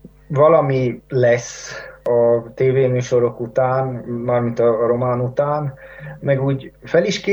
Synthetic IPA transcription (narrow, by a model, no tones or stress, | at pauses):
vɒlɒmilɛsɒt̪eːveːmyːʃo̞ɾo̞kut̪aːnmaːrmint̪ɒɾo̞maːnut̪aːnmɛɡuːɟfɛliʃke